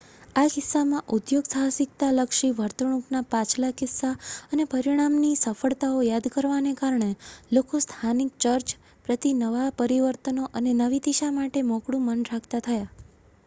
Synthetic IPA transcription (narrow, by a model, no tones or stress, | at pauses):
akɪsːamãʔud̪joɡsasɪk̚t̪aləkʃiʋəɾt̪əɳ̃upnapãt͡ʃlakɪsːaənepəɾiɽ̃amnisəfəɭt̪aojad̪kəɾʋanekaɾɳ̃elokost̪ʰanik̚t͡ʃəɾt͡ʃ | pɾət̪inəʋapəɾiʋəɾt̪ənoʔənenəʋid̪iʃamaʈemɔ̃kɽũmənɾakʰt̪at̪ʰəja